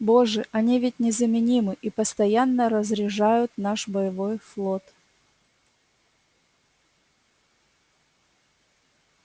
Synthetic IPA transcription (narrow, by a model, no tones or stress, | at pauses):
boʐɨʔɐnʲivʲɪtʲnʲɪzəmʲɪnʲimɨʔipəst̪ɐjanːəɾəzɾʲɪʐajʊt̪naʂbəjɪvojflˠot̪